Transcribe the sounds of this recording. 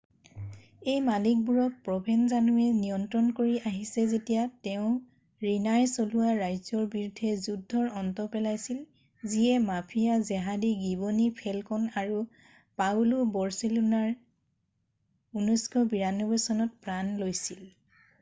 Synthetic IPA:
ejmalik̚buɹɔk̚pɹɔbʱɛnzanuɛnijɔntɹɔnkoɹiʔaɦisɛzetijatɛʊ̃ | ɹinajsoluwaɹajzɔɹbiɹudʱɛzudʱːɔɹɔntɔpɛlajsil | zijɛmapʰijazɛɦadiɡibonipʰɛlkɔnaɹu | pawlubɔɹsilunaɹ | unɔskɔbiɹanːɔbɔsɔnɔt̚pɹanlojsil

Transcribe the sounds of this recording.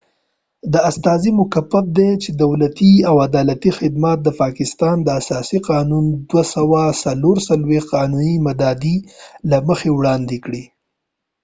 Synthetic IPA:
d̪əast̪ɑzimʊkapːafd̪et͡ʃed̪awlat̪iawad̪ɑlat̪ixɪd̪mat̪̚d̪əpɑkɪst̪ɑnd̪əasɑsiqɑnund̪wasawasaloɾsalwexqɑnunimad̪ɑd̪ilaməxewɽɑnd̪ekɽi

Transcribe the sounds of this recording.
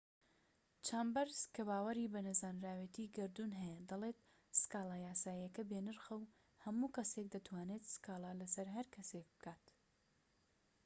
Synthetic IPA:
t͡ʃʰaːmbɐɾz̥kʰɐβaːwɐɾibɐnɐzaːnɾaːwet̪ʰiːɡɐɾd̪unɦɛjɐd̪ɐlet̪ | sɨ̥kaːlajaːsaːjɐkɐbeːnɨɾxɐw | hɐmuːkɐsek̚d̪ɐt̪ʰwaːneːt̪skaːlˠaːlɐsɐɾɦɐɾkʰɐsek̚bɨ̥kʰaːt̪

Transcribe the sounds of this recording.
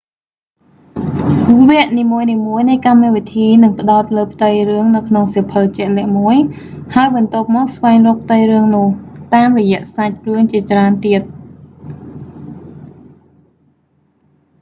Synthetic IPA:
ʋɛ̆əʔniːmuəjniːmuəjnɨjkamːɛʋit̪ʰiːnɨŋpə̆ɗaɔt̪̚ləːpʰt̪ɨjrɨəŋnɨwkʰnoŋsipʰəlt͡ɕɛ̆əʔlɛ̆əʔmuəj | haəjɓɑnt̪ŏəp̚mɔːk̚sʋaɛŋrɔːk̚p̚ʰt̪ɨjrɨəŋnʊ̆əht̪aːmrɔjɛ̆əʔsac̚rɨəŋt͡ɕiət͡ɕraənt̪iət̪̚

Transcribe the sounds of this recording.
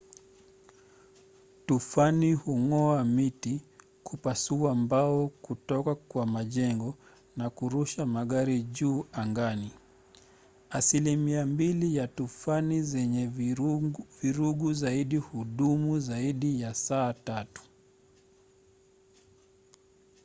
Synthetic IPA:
tufanihuŋɔamiti | kʰupasuambaɔkutɔkakwamaʄɛŋɡɔ | nakuɾuʃamaɠaɾiʄuːaŋɡani | asilimiambilijatufanizɛɲɛ | viɾuɠuzaiɗihuɗumuzaiɗijasaːtatu̥

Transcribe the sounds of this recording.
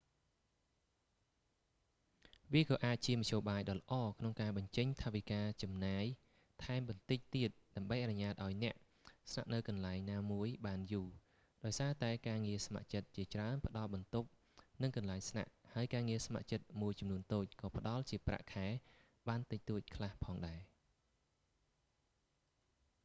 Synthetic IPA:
ʋiəkɑːʔaːc̚t͡ɕiəmɑc̚ʰɕoːɓaːjɗɑːlə̆ʔɑːkʰnoŋkaːɓɑɲt͡ɕəɲt̪ʰaʋikaːt͡ɕɑmnaːj | t̪ʰaɛmɓɑnt̪ɨc̚t̪iət̪̚ɗaəmɓəjʔanɨɲaːt̪̚ʔaɔjnɛ̆əʔ | sna̰ʔnɨwkɑnlaɛŋnaːmuəjɓaːnjuː | ɗaɔjsaːt̪aɛkaːŋiəsma̰ʔt͡ɕət̪̚t͡ɕiət͡ɕraənpə̆ɗɑlɓɑnt̪up̚ | nɨŋkɑnlaɛŋsna̰ʔhaəjkaːŋiəsma̰ʔt͡ɕət̪̚muəjt͡ɕɑmnuənt̪oːc̚kɑːpə̆ɗɑlt͡ɕiəpra̰ʔkʰaɛ | ɓaːnt̪ɨc̚t̪uəc̚kʰlahpʰɑːŋɗaɛ

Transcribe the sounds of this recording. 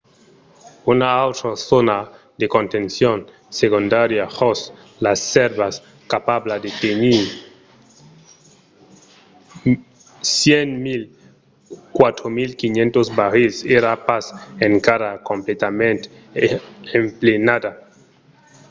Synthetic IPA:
unaawt̪ɾosona | d̪ekont̪ẽnsjon | sekund̪aɾjaxos | lasːeɾβas | kapaβlad̪et̪eniɾ | sjenmil | kwat̪ɾomilkinjẽnt̪ozbaɾeseɾapaseŋkaɾakomplet̪amẽnt̪e | emplenad̪a

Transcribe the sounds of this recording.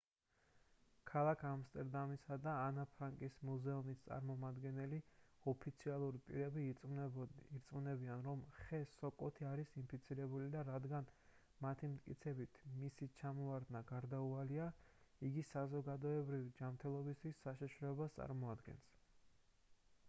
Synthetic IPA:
kʰalˠakʰamst̪ʼɛɾd̪amisad̪aːnapʰɾaŋkʼismuzɛumist̪sʼa̰ɾmɔmad̪ɡɛnɛliɔpʰit̪sʰialˠuɾipʼiɾɛbi | iɾt̪sʼmunɛbianɾɔmχɛsɔkʼɔt̪ʰiaɾisimpʰit̪sʰiɾɛbulid̪aɾad̪ɡan | mat̪ʰimt̪ʰʼkʼḭt̪sʰɛbit̪ʰmisit͡ʃʰamɔaɾd̪naɡaɾd̪aualia | iɡisazɔɡad̪ɔɛbɾivid͡ʒamt̪ʰɛlˠɔbist̪ʰwisːaʃiʃɾɔɛbast̪sʼa̰ɾmɔad̪ɡɛ̰ns

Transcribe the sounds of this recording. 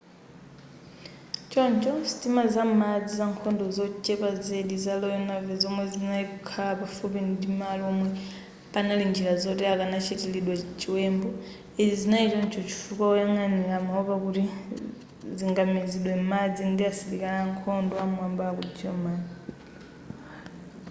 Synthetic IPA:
t͡ʃɔnt͡ʃʰɔsi̥timazamad͡zizaŋkʰɔndɔzɔt͡ʃʼɛpazeɗizalɔjɔnavɛzɔmwɛzinaikukʰalapafupindimaliɔmwɛ | panalind͡ʒilazɔtɛakanat͡ʃʰɛtɛliɗwat͡ʃiwɛmbɔ | izizinait͡ʃɔnt͡ʃʰɔt͡ʃʰi̥fukaɔjaŋanilamaɔpakuti | ziŋɡamiziɗwɛmad͡zindiasilikanaŋkʰɔndɔamambakud͡ziɔmaːna

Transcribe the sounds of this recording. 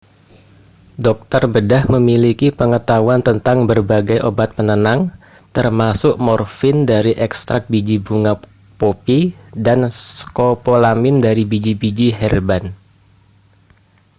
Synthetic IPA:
dɔk̚t̪ərbədahməmilikipəŋət̪auant̪ənt̪aŋbərbaɡajʔobat̪̚pənənaŋ | t̪ərmasʊʔmɔrfɪndaɾiʔɛkst̪ɾak̚bid͡ʒibuŋa | popidanskopolamɪndaɾibid͡ʒibid͡ʒiɦɛrban

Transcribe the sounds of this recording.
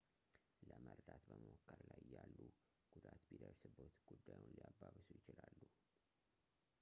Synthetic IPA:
ləməɾd̪at̪bəməwokʰːəɾlajɪjːalːu | ɡ̥ud̪at̪bid̪əɾsɨbot̪ɡ̥ud̪ːajunliabːaβɨsujɪt͡ʃɪlalːu

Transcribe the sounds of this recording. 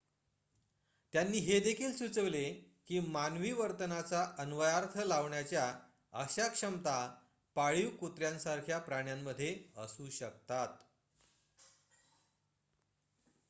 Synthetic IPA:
t̪janːiːɦed̪ekʰiːlsut͡səʋle | kiːmanʋiːʋəɾt̪ənat͡saʔənʋəjaɾt̪ʰəlaʋɳjat͡ɕja | əɕakʂəmt̪a | paɭiʋkut̪ɾjãnsaɾkʰjapɾaɳjamːəd̪ʱːjeəsuːɕək̚t̪at̪

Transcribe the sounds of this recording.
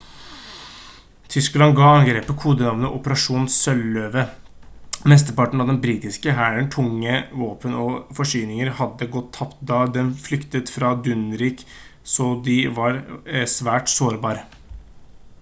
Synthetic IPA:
t̪ʰʏsklɑnɡɑːɑŋɡɾeːpəkʰuːd̪ənɑʋnəʔʊpəɾɑʂuːnssœløːʋə | mɛst̪əɾpɑʈɳ̩ɑʋd̪ɛnbɾiːt̪ɪskəɦæːɾəɳʈʰʊŋːəʋoːpənɔfɔʂyːnɪŋəɾhɑd̪ːəɡɔt̪ʰːɑpt̪d̪ɑːd̪ɛnflʏkt̪ət̪fɾɑd̪ʉnɾiːksɔd̪ɪʋɑɾsʋæːʈsoːɾbɑːɾə

